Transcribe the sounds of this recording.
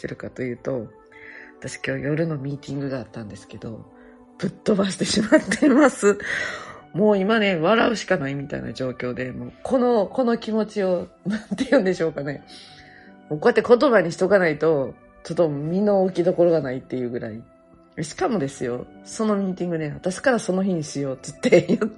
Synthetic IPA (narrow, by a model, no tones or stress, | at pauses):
t̪eɾɯ̟kat̪o̞jɯ̟ːt̪o̞ | βat̪aɕi̥kʲo̞ːjo̞ɾɯ̟no̞mʲiːt̪ʲĩŋɡɯ̟ɡaːt̪ːãnd̪esɨ̥ke̞d̪o̞̰ | pɯ̟t̪ːo̞basɨ̥t̪e̞ɕimat̪ːemasɨ | mo̞ːimane̞βaɾaɯ̟ɕi̥kanaimʲit̪a̰ḭna̰d͡ʑo̞ːkʲo̞ːd̪e̞mo̞ːkʰo̞no̞ko̞no̞kʲimo̞t͡ɕio̞ | nãnt̪e̞jɯ̟̃nd̪e̞ɕo̞ːkane̞ | moko̞jat̪ːeko̞t̪o̞βaɲ̟içi̥t̪o̞ɡanait̪o̞ | t͡ɕot̪ːomʲino̞ːkʲid̪o̞ko̞ɾo̞ɡanait̪ːe̞jɯ̟ːɡɯ̟ɾa̰i | eɕi̥kamo̞d̪e̞sɨjo̞̰so̞no̞mʲiːt̪ʲĩŋɡɯ̟neat̪aɕi̥kaɾaso̞no̞çiɲ̟isɨjo̞ːt̪ɨ̥t̪ːe̞jɯ